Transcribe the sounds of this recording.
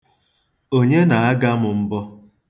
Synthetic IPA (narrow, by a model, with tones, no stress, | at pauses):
o˦ɲe˦na˨a˦ɡa˦mʊ˨m̩˦bɔ˦